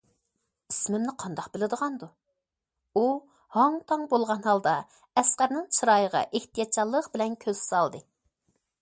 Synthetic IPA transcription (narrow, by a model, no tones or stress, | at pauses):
ismɪmnɪqʰɑnd̪ɑqbɪlɪd̪əʁɑnd̪u | u | hɑŋt̪ʰɑŋbolˠʁɑnhɑlˠd̪ɑ | ɛsqæɾnɨŋt͡ʃʰɨɾɑjəʁɑ̰ʔeht̪ʰijɑt̪t͡ʃʰɑlˠːəqbɪlɛnkʲʰøz̥sɑlˠd̪ɨ